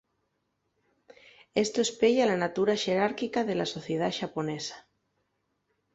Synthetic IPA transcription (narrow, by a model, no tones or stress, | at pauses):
est̪oespeʎalanat̪uɾaʃeɾaɾkikaðelasoθjeð̞aʃaponesḁ